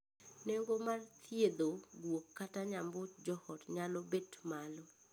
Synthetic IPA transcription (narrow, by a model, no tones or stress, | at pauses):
nɛŋɡomart̪ʰjed̪oɡwokːataɲambʊt͡ʃd͡ʒɔhɔtɲalɔbetmalɔ